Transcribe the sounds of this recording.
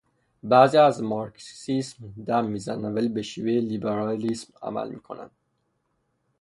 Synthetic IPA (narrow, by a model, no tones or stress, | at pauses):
bæːziːæzmɒɾkssismd̪æmːiːzænænvæliːbeʃiːvelibeɾɑlismæ̰mæ̰lmḭːkʰo̞̰næ̰nd̪̥